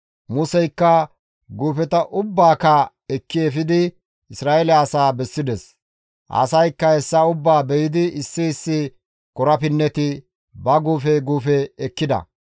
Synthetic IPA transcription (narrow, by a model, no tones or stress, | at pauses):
mʊsɛjkːɐ | ɡuːfɛt̪ɐʔʊbːaːkɐ | ɛkːɪɛfɪd̪ɪ | ɪsɾaːʔɛlɛɐsaːbɛsːɪd̪ɛs | ʔɐ̰sɐjkːɐɛsːɐʊbːaːbɛjɪd̪ɪɪsːɪɪsːɪ | kɔɾɐpɪnːɛt̪ɪ | bɐɡuːfɛɡuːfɛːkːɪd̪ɐ̰